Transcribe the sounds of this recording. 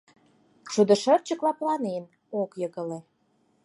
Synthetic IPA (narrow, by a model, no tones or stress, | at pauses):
ʃud̪ə̆ʃərt͡ɕəklɑplɑnen | okjəɣə̆le